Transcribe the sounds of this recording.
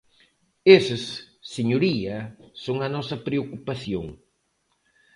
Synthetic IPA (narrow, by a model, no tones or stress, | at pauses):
esɪsː | eɲoɾiɐsoŋɐnɔsɐpɾeokupaθjo̰ŋ